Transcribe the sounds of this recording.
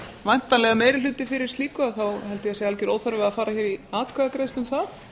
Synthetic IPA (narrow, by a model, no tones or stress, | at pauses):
vajn̥t̪panlɛɣameːjɾɪlʏːt̪ɪfɪɾɪɾ̥liːkʏaðθawɦɛlt̪ɪjɛsɛɣalcɪɾoːwθœɾvɛafaːɾaçɛːɾiaːt̪kʰaɣakɾeːjst̪ʏmθað